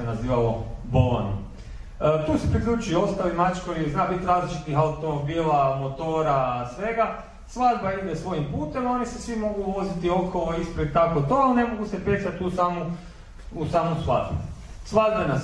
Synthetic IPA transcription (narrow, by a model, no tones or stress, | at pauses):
enaziːʋalobolo̰nṵm | t̪uːsepɾikʎʲuːt͡ʃujoost̪alimat͡ʃkojijeznaːbit̪ɾaːzlit͡ʃit̪nixaut̪obiːlˠamo̞t̪o̞ːɾasʋe̞ɡa | sʋad̪baid̪esʋo̞jimpuːt̪e̞mao̞nisesʋimo̞ɡuʋo̞zit̪io̞kʰoloispɾed̪̚t̪akot̪o̞alne̞mo̞ɡuse̞pesat̪usamu | usaːmosʋa̰d̪bu | sʋad̪̚bana